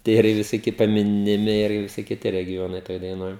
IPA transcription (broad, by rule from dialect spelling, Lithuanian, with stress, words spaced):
ˈtʲiɛ ɪr ɪ ʋʲɪsoːˈkʲɪ pɐˌmʲɪnʲɪˈmʲɪ ɪr ʋʲɪˈsʲɪ kʲɪˈtʲɪ rʲɛɡʲɪˈjoːnɐɪ ˈtoːj dɐɪˈnoːj